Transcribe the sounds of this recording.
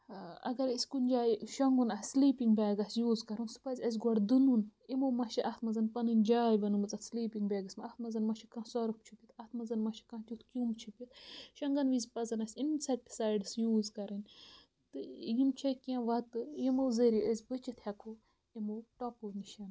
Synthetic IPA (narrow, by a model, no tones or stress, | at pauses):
ɐ̰ɡɐɾisʲkunʲd͡ʒaːjʃɐŋɡunɐsʲsliːpiŋɡbʲaːɡɐsʲjuːzkɐɾunsɨ̥pɐzʲɐzʲɡʷɔɽd̪ɨnunimoːmɐʃiʔɐt̪ʰmɐzɐnpɐnɨnʲd͡ʒaːjbɐnɨmɨt͡sɐt̪sliːpiŋɡbaːɡɐsʲmɐɐht̪̚ʰmɐzɐnmɐʃʰikɐ̃sɔɾɐp̚t͡ʃʰupʲit̪ɐt̪ʰmɐzɐnmɐʃʰi̥kɐ̃ːt̪ʲut̪ʰkʲumt͡ʃʰupʲit̪ʃɐŋɡɐnʋizʲpɐzɐnɐsʲinsɐt̚pi̥saːjɖɨsjuːzkɐɾɐnʲ | t̪ɨjimt͡ʃʰɐkʲãʋɐt̪ɨjimowzəɾiəzʲbɨt͡ʃit̪hɐkʰo | imoʈɐpuniʃɐn